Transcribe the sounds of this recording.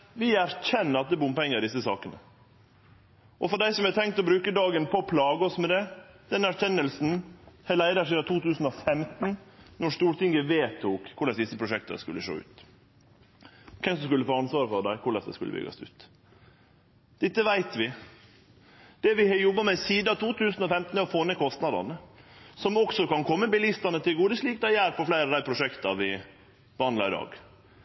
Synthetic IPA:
ʋɪæɾçɛnːəɾɑt̪̚d̪ɛːbʊmpɛŋːəɾɪd̪ɪsːəsɑ̰ːkənə̰ | ʔɔfɔɖæɪsɔmɛt̪ʰɛŋkt̪ɔbɾʉːkəd̪ɑːɡənpʰɔpʰlɑːɡəɔsmɛd̪ɛd̪̥ɛnæɾçɛnːəlsn̩hɛlæɪd̪ɑʂiːd̪ɑt̪ʰuːt̪ʉːsn̩ɔfɛmt̪n̩nɔʂt̪uːɾt̪ɪŋɡəʋeːt̪ʰuːkʰːʊɭɛsd̪ɪsːəpʰɾʊʂɛkt̪ə̰skʉ̰lːəʂo̰ːʉ̰ːt̪ | kʰɛmsɔmskʉlːəfoːɑnsʋɑːɾəfɔɖ̪æɪkʰʊɭɛsd̪ɛ̰skʉlːə̰bʏ̰ɡɑ̰sʉ̰ːt̪ | d̪̥ɪt̪ːəʋæɪt̪ʋɪ | d̪̥ɛʋɪhɑjɔbːɑmɛsiːd̪əɑt̪ʰuːt̪ʰʉːsn̩ɔfɛmt̪n̩ɔfoːnəkʰɔst̪nɑd̪ɑ̰nəsɔmɔksɔkɑnkʰɔmːəbɪlɪst̪ɑnət̪ʰɪlɡuːd̪əsliːkd̪æɪæːɾfɔflæɪɾɑʋd̪æɪpʰɾʊʂɛkt̪ɑʋɪ | bəhɑnd̪ɑɪd̪ɑ̰ːɡ

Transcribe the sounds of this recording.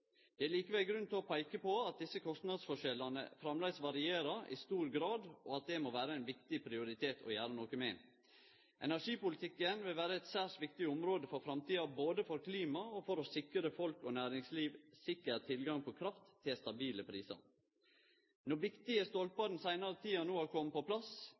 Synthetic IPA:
d̪̥ɛæliːkəʋɛlɡɾʉnt̪ʰɪɔpʰæɪkəpʰoɑt̪̚d̪ɪsːəkʰɔst̪nɑd̪sfɔʂɛlːɑnə̰fɾɑmlæɪsʋɑɾɪeːɾɑʔɪ̰st̪uːɾɡɾɑːd̪oɑt̪̚d̪ɛmoːʋæːɾəæɪnʋɪkt̪ɪpʰɾɪʊɾɪt̪ʰeːt̪ʰɔ̰jæːɾənɔːkəmɛɪn | ʔɛ̰næʂiːpʊlɪt̪ʰɪkːənʋɪlʋæːɾəɛɪt̪sæːʂʋɪkt̪ɪʊmɾoːd̪əfɔɾfɾɑmt̪ʰiːɑboːd̪əfɔɾkʰliːmɑɔfɔɾɔsɪkɾəfɔlkɔnæːɾɪŋsliːʋsɪkːəɾt̪ʰɪlɡɑŋpʰɔkʰɾɑft̪ʰːɪlst̪ɑbiːləpʰɾiːsɑ̰ɾ | nɔʋɪkt̪ɪəst̪ɔlpɑd̪n̩sæɪnɑɾət̪ʰiːɑnoːhɑɾkʰɔmːəpɔpʰlɑs

